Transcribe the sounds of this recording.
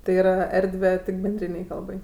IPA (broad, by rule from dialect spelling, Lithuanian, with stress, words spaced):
tɐɪ iːˈrɐ ˈɛrʲdʲʋʲɛ tʲɪk bʲɛnʲˈdʲrʲiːnʲɛɪ ˈkɐlˠbɐɪ